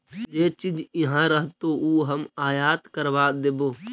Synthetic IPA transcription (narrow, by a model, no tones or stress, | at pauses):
d͡ʒeːt͡ʃid͡ʒɪɦãɾəɦt̪ouːɦəmaːjaːt̪kəɾʋaːd̪eboː